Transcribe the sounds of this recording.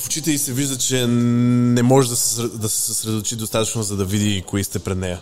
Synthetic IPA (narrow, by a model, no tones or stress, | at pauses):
fot͡ʃit̪ɛlisɛviʒd̪ət͡ʃɛnɛmɔʒɛd̪ɐsɛsɾɛd̪ɐsɛ̥sɐsɾɛd̪ot̪ot͡ʃid̪ost̪at̪ət͡ʃnozɐd̪ɐvid̪ikoist̪ɛpɾɛd̪nɛjɐ